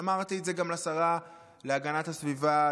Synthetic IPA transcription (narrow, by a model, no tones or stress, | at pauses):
amaʁt̪ietze̞ɡamlasaʁa | le̞aɡanat̪hasviva